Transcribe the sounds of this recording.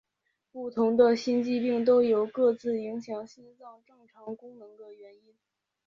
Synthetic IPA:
pu˥˩t̪ʰʊ˧˥ŋd̪ə˧ɕi˥nt͡ɕi˥˧pi˥˩ŋt̪̬o˥ʊjo˧˥ʊkɤ˥˧t͡sɹ̩˥˩i˧˥ŋɕjɑ˧˥ŋɕi˥nt͡sɑ˥˧ŋʈ͡ʂɤ˥˩ŋʈ͡ʂʰɑ˧˥ŋkʊ˥ŋnɤ˧˥ŋd̪ə˧ɥɛ˧˥ni˥n

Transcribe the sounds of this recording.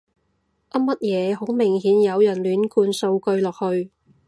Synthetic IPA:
ʔɐ˥mɐ˥t̚jɛː˨˧ɦo˨˥wmɪ˨˩ŋɦiː˨˥njɐ˨˧wjɐ˨˩nlyː˨˥nkuː˧nso˧wkɵ˧ɥlɔː˨k̚hɵ˧ɥ

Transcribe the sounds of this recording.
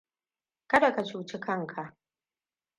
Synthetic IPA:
kɐ˦da˨ka˨t͡ʃuː˨t͡ʃɪ˦kʰɐ˦ŋkʰa˨ʔ

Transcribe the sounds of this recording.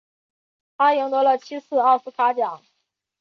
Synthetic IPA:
tʰa˥ji˧˥ŋt̪wɔ˧˥lə˧˨t͡ɕʰi˥sɹ̩˥˧a˞˥˩ʂɹ̩˧˥kʰa˥t͡ɕja˨˩˦

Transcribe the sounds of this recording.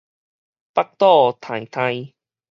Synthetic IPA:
pa˦˥k̚t̪ɔ˥˧t̪ʰã˨˩jt̪ʰã˧j

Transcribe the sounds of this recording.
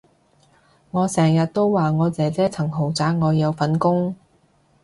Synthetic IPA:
ŋɔː˨˧sɛː˨˩ŋjɐ˨t̚t̪o˥wwaː˨ŋɔː˨˧t͡sɛː˨˧t͡sɛː˥t͡sʰɐ˨˩ŋɦo˨˩wt͡saː˨˥k̚ŋɔː˨˧jɐ˨˧wfɐ˨˥nkʊ˥ŋ

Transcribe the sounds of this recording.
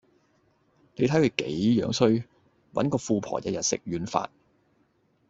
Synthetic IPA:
ne˨˧jt̪ʰɐ˨˥jkʰɵ˧ɥke˨˥jjœː˨˧˥ŋsɵ˥ɥ | wɐ̰˨˥nkɔː˧fuː˧pʰɔ̰ː˨˩jɐ̰˧˥jɐ˨t̚sɪ̰˨k̚ɥyː˨˧nfa̰ː˧t̚

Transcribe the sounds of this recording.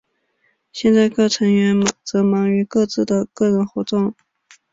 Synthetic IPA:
ɕjɛ˥˧nt͡sa˥˧ɪkɤ˥˩ʈ͡ʂʰɤ˧˥ŋɥɛ˧˥nt͡sɤ˧˥mɑ˧˥ŋy˧˥kɤ˥˧t͡sɹ̩˥˩d̪ə˩kɤ˥˩ɻə˧˥nxwɔ˧˥t̪ʊ˥˩ŋ

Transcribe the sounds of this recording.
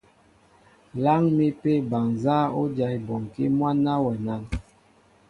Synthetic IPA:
la˦ŋmi˦pe˦˨ba˨ŋza˦o˦d͡ʒa˨jbɔ˨ŋki˦mwa˦na˦wɛ˨na˦˨ŋ

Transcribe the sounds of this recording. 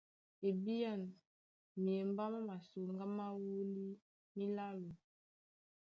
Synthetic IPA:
e˨bi˦a˦˨n | mi˨e˨m˦ba˦ma˦ma˨su˨ŋɡa˦ma˦wu˦li˦ | mi˦la˦lu˨

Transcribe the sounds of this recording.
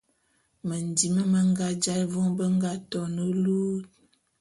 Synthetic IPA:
mə˨n˨di˨mə˦mə˦ŋɡa˦d͡ʒa˦jvɔ˦ŋbə˦ŋ˦ɡa˦tɔ˨nə˦luː˦t̚

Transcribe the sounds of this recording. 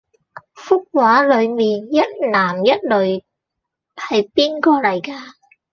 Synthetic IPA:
fʊ˥k̚waː˨˥lɵ˨˧ɥmiː˨njɐ˥t̚laː˨˩mjɐ˥t̚lɵ˨˧ɥ | hɐ˨jpiː˥nkɔː˧lɐ˨˩jkaː˧

